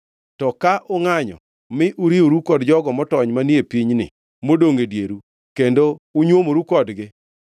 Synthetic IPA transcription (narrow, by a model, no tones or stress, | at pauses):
tɔkaʔʊŋaɲɔ̰ | mɪʔuɾioɾukɔdd͡ʒɔɡɔmɔtɔɲmanjepiɲnɪ̰ | modoŋedjeɾu | kendouɲwomoɾukɔdɡɪ